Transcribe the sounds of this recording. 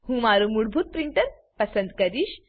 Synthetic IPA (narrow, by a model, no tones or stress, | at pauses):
hũmaɾumuɽbʱuːt̪̚pɾiɳʈəɾ | pəsənd̪kəɾiːɕ